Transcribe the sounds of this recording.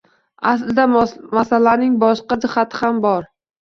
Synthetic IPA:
aslɪd̪amasalanɪŋbɒʃqɑd̪ɪχat̪ʰɪ̥hambɒɾ

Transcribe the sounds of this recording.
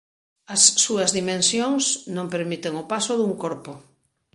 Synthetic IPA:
ɐsːuɐzðimẽnsjoŋsnõmpeɾmit̪eŋopasoðuŋkoɾpo

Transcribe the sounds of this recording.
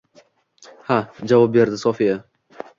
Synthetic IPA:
had͡ʒavɒp̚be̞ɾd̪ɪsɒfija

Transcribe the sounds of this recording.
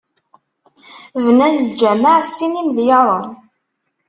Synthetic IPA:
vnænld͡ʒæmaʕsːinimðjɑɾˤən

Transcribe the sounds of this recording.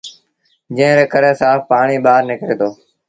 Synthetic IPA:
d͡ʒə̃ːɾeːkəɾeːsaːfpaːɳiːɓaːɾnɪkɾeːd̪oː

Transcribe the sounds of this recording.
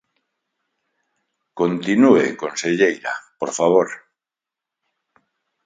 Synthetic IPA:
kont̪inuekonseʎejɾa̰poɾfaβ̞oɾ

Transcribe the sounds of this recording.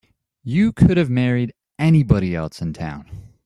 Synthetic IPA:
jɨkʰʊɾɨvmɛɹiɾ | ɛnibʌɾiɛ̰lˠsɨ̃ntʰã̰ʊ̃n

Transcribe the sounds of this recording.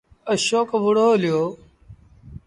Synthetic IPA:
əʃoːkʋʊɽoːlɪjoː

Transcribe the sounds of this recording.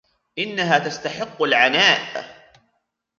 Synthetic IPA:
ʔɪnːaɦaːt̪ast̪aħɪqːalʕanaːʔɪb

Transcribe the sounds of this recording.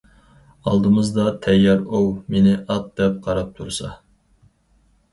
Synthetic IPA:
ɑlˠd̪ɨmɨzd̪ɑt̪ʰɛjːɑɾuwmenɪʔɑt̪̚d̪̥ɛp̚qʰɑɾɑp̚t̪ʰuɾsɑ̰

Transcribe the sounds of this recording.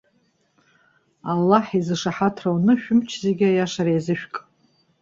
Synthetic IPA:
alːaħizɨʂaħatʰrawnɨʃᶣʊmt͡ʃʰzeɡʲajaʂaɾejzɨʃᶣkʼ

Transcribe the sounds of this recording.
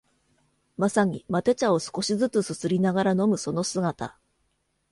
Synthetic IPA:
masaɲ̟imat̪e̞t͡ɕao̞sɨ̥ko̞ɕizɨt͡sɨsɨsɨɾʲinaɡaɾano̞mɯ̟so̞no̞sɨɡat̪a̰

